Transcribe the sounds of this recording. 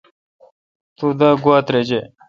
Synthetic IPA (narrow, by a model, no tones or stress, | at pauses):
t̪ud̪aɡuat̪ɾed͡ʑe